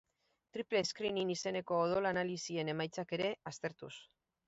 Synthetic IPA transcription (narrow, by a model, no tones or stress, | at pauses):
t̪ɾiple̞skɾininise̞ne̞ko̞ːðo̞lanalisie̞ne̞majt͡sake̞ɾe̞ast̪e̞ɾt̪us